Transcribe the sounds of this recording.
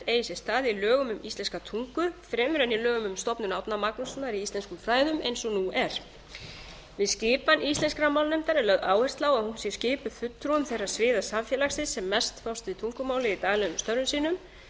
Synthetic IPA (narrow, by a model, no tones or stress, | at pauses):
eːjsɛst̪aːðilœːɣʏmʏmist̪lɛnskat̪ʰuŋkʏfɾɛmɾɛnːɪlœːɣʏmʏmst̪ɔpnʏnawpnamaknɔsɔnaɾiist̪lɛnskʏmfɾaːjðʏmejnsɔnuɛɾ̥ | vɪðscɪːpanist̪lɛnskɾamawlnɛmt̪aɾɛlœðaːwhɛst̪laːwaðhunsjɛscɪːpʏfʏt̪ːɾuʏmθejrḁsvɪːðḁsaɱfjɛlaxsɪsːɛmːɛst̪fawst̪ɪt̪ʰuŋkʏmaːwlɪit̪aːɣlɛɣʏmst̪œɾʏmsiːnʏm